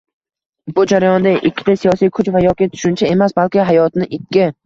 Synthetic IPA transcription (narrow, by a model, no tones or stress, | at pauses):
bʊd͡ʒaɾajɒnd̪aʔɪkʲʰːɪ̥t̪ʰasijɒsijkʰʊt͡ʃvajɒkʲit̪ʰʊ̥ʃʊnt͡ʃʰae̞masbalˠkʲɪɦajɒt̪nɪʔɪkʲːɪ